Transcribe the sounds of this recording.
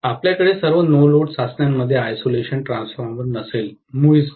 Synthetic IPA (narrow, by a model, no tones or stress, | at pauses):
apljakəɽesəɾʋənoloɖsasnjamːəd̪ʱːjeajsoleɕənʈɾãnsfaɾməɾnəsel | muis